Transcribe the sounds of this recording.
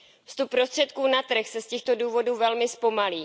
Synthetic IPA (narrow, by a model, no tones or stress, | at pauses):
fst̪up̚pːɾo̞st̪r̝̥ɛt̪kuːnat̪r̩xsɛscɛxt̪o̞duːvo̞duːvɛlmɪspo̞maliː